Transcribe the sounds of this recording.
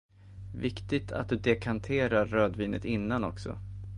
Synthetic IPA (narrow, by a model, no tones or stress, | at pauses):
vɪkt̪ɪɡ̚t̪ʰa̰t̪̚d̪ɵd̪ɛkʰant̪ʰeːɾaɾːøːd̪viːnə̰t̪ɪnːanɔ̰ksɔ̰